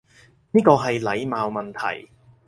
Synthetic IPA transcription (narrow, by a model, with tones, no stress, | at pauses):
niː˥kɔː˧ɦɐ˨jlɐ˨˧jmaː˨˧wmɐ˨nt̪ʰɐ̰˨˩j